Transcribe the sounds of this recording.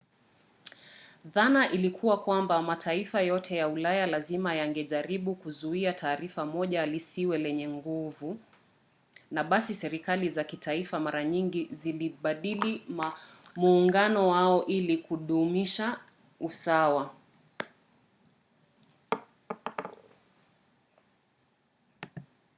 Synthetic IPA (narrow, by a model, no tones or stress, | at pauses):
ðanaʔilikʰuwakwambamatʰaifajɔtʰɛjaulajalazimajaŋɡɛʄaɾiɓukuzuiatʰaːɾifamɔʄalisiwɛlɛɲɛŋɡuvu | naɓasisɛɾikalizakitʰaifamaɾaɲiŋɡiziliɓaɗili | muːŋɡanɔwaɔʔilikuɗumiʃa | usawa